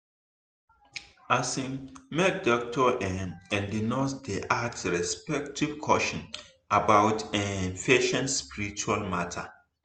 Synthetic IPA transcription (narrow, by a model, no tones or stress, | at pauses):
asĩŋmek̚dɔk̚tʰɔʔɛnɛ̃ndinosdeʔatsɹɛspɛk̚tʰiv̥kʰɔʃɔ̃n | ʔabawtɛ̃nfeʃɛ̃ntspiɹit͡ʃualmatʰa̰